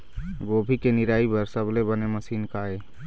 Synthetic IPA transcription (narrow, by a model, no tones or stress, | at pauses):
ɡoːbʱikenɪɾaːibəɾsəblebəneməsiːnkae